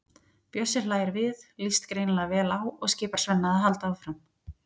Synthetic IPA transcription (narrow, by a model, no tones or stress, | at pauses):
pjœsːɪɾ̥flaːjɪɾvɪðlist̪kɾeːjnlavɛːlawɔɣscɪːpaɾ̥svɛnːaðaðɦalt̪aːwfɾam